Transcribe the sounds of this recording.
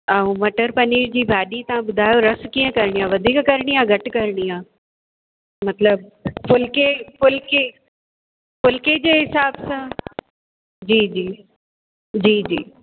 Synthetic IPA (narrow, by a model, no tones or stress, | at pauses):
aːũmɐʈəɾpɐniːɾd͡ʑiːbʱaːɗit̪ɐʋ̤ãɓʊd̪ʱaːjoɾɐskiːə̃kɐɾɪɽ̃iaːʋɐd̪ʱiːkkɐɾɪɽ̃iaːɡʱɐʈ̆kɐɾɽ̃iaː | mɐt̪ləb̚pʊlkepʊlke | pʊlked͡ʑeːɦɪsaːbsãː | d͡ʑiːd͡ʑiː | d͡ʑiːd͡ʑiː